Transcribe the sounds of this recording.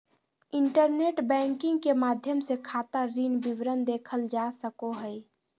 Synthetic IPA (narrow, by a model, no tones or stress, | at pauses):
iɳʈəɾneʈbɛ̃ŋkɪ̃ŋɡkemad̪ʱjəmsekʰat̪əɾinbiʋɾənd̪ekʰəld͡ʒasəkoɦəj